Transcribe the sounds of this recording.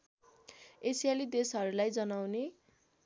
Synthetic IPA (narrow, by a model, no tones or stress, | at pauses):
esijalid̪esɦʌɾulajd͡zʌnawne